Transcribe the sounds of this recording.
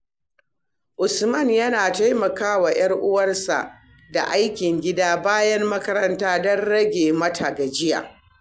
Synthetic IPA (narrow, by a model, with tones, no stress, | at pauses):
ʔʊ˨smɐ˦˨njɐ˦naː˨ta˦jmɐ˨kaː˦wa˨j̰ɐ˦rʔʊ˦wɐ˦rsa̰˨ʔ | da̰˨ʔa˦jkʲɪ˨ŋɡʲɪ˦daː˦baː˦jɐ˦mːɐ˦kɐ˦ɾɐ˦ntaː˦dɔ˦nɽɐ˦ɡʲeː˨mɐ˦tʰa˨ɡa˨d͡ʒɪ˦ja̰˨